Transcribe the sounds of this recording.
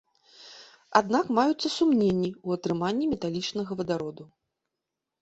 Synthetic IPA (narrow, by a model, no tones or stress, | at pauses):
ad̪nakmajut̪sːɐsumnʲenʲːiuɐt̪ɾɨmanʲːimʲɛt̪alʲit͡ʂnɐɣɐvɐd̪aɾɔd̪u